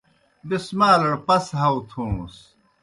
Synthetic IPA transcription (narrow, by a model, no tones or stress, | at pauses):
d̪ismaːlɐɽpɐsɦɐwt̪ʰũːs